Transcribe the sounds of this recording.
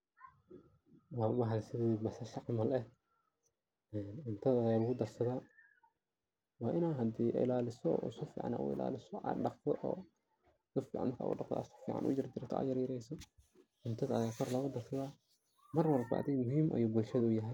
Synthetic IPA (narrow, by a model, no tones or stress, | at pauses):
wɑːʊmɑɦlsɪðiːmɐsɐʃɐʕmɐlɛh | ɛːnʊnt̪ʰɐðɐjaːlʊɣʊd̪ɐrsɐðaː | wɑːʔɪnaːnɦɐd̪iːʔɪ̰laːlɪsɔ̰ːusfḭːʕɑ̰na̰ːʔʊ̰ɪ̰la̰ːlɪsɔɑ̰ːnɖɑqt̪ʰɔʔɔ̰ː | sʊfḭːʕɑ̰nkʰa̰ːʔʊ̰ɖɑqt̪ʰɔ̰a̰sɔ̥fḭːʕɑ̰nʔʊ̰t͡ʃɪrd̪ɪɾt̪ʰɔʔa̰jɐɾjɪɾɛjsɔ | ʔʊnt̪ʰɐðɐɐjaːkʰɔrlɐɣʊd̪ɐrsɐðaː | mɐrwɐrbɑ̰ʔd̪ɛjmʊɦiːmʔɐ̰juːbʊlʃɐðɐʊjɐɦɛj